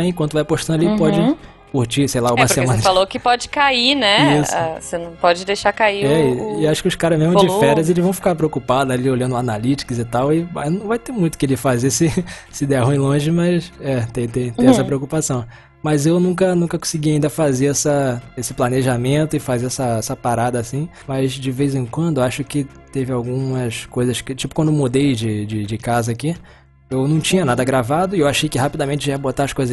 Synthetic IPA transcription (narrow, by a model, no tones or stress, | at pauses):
ẽkwɐ̃t̪ʊvajpoʃt̪ɐ̃nd̪ɐlipɔd͡ʒɪ | kuɾt͡ʃisejlaũmɐsɾemɐ̃nɐfalokɪpɔd͡ʒɪ̥kainɛisa̰senɐ̃w̃pɔd͡ʒɪd̪ejʃaɾkaiɾɛɪaʃʊ̥kɪʊskaɾɐzmeɦmɐ̃d͡ʒɪffɛɾiɐzelɪʒvɐ̃w̃fi̥kaɾpɾeokupad̪ʊaliolɐ̃d̪ʊanalit͡ʃɪ̥kɐzɪt̪awɪanɐ̃w̃vajt̪emũj̃t̪ʊ̥kɪlɪfazesɪ | sɪd̪ɛɦũĩj̃lõʒɪmɐsɛt̪ẽj̃t̪ẽj̃t̪ẽj̃ɛsɐpɾeokupasɐ̃w̃ | mɐzewnũkɐnũkɐkõsɪɡiaĩnd̪ɐfazeɛsɐesɪplaneʒamẽnt̪ʊɪfazeɛsɐɛsɐpaɾad̪ɐasĩ | mɐzd͡ʒɪvejzẽŋkwɐ̃nd̪ʊaʃʊkɪ | t̪evɪawɡũmɐskojzɐskɪt͡ʃipʊkwɐ̃d̪ʊeowmod̪ejd͡ʒɪd͡ʒɪd͡ʒɪkazɐːki | ewnɐ̃w̃t͡ʃĩɲɐnad̪ɐɡɾavad̪ʊɪewaʃejkɪɦapid̪ɐmẽnt͡ʃɪiɛɐbot̪aɾɐskojzɐ